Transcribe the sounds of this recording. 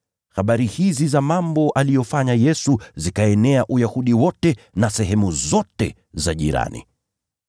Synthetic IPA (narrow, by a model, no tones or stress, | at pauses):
xaɓaɾihizizamambɔʔalijɔfaɲajɛsuzikaɛnɛaʔujahuɗiwɔtɛnasɛɦɛmuzɔtɛ | zaʄiɾa̰nḭ